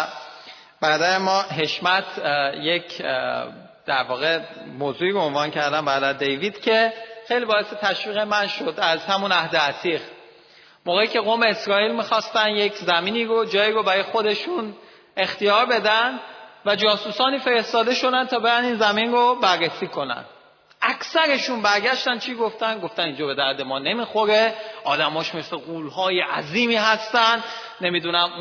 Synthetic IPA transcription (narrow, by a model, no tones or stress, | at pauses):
bæɾd̪æɾemɒːɦe̞ʃmæt̪ʰjecʰ | d̪̥æɾvɒːɣe̞moːzuːiːɡonvɒːncʰæɾd̪æmbæɾd̪æɾd̪e̞jviːd̪̥cʰe̞xe̞jliːbɒːeset̪ʰæʃviːɣemænʃo̞d̪æzhæmunæhd̪eæt̪ʰiːɣ | moːɣeiːcʰe̞ɣoːme̞ːsɾɒːiːlmixɒːst̪ænje̞cʰzæmiːniːɾod͡ʒɒːiːɾobæɾɒjexo̞d̪e̞ʃun | e̞xt̪ijɒːɾbe̞d̪ænvæd͡ʒɒːsusɒːniːfe̞ɾe̞st̪ɒːd̪e̞ʃo̞d̪ænt̪ʰɒːbe̞ɾæniːnzæminrobæɾːesiːkʰo̞næ̰n | ʔækʰsæɾe̞ʃunbæɾɟæʃt̪ænt͡ʃʰiːɡo̞ft̪ænɡo̞ft̪ænind͡ʒɒːbe̞d̪æɾd̪e̞mɒːne̞miːxo̞ɾeɒːd̪æmɒːʃmesleɣuːlɦɒːjeʔæziːmiːhæst̪ænd̪ | ne̞miːd̪unæm